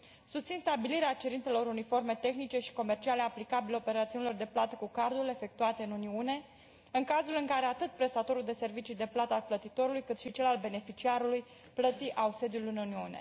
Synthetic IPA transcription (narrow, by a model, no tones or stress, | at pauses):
sust̪sinst̪abiliɾeat͡ʃe̞ɾint̪se̞lo̞ɾunifo̞rme̞t̪e̞xnit͡ʃe̞ʃi̥ko̞me̞rt͡ʃiale̞aplikabileo̞pe̞ɾat̪siunilo̞rd̪e̞plat̪əkukard̪ule̞fe̞k̚t̪uat̪eɨnuniune̞ | ɨŋkazulɨŋkaɾe̞at̪ɨt̪̚pɾe̞st̪at̪o̞ɾuld̪e̞se̞rvit͡ʃijd̪e̞plat̪əalplət̪it̪o̞ɾulujkɨt̪ʃit͡ʃe̞lalbe̞ne̞fit͡ʃiaɾuluj | plət̪siʔause̞d̪julɨnuniune̞̰